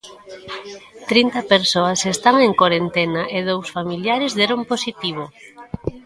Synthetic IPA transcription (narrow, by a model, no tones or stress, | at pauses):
t̪ɾint̪ɐpeɾsoɐsest̪aŋeŋkwaɾent̪enaʔeðowsfamiljaɾezðɛɾomposit̪iβ̞o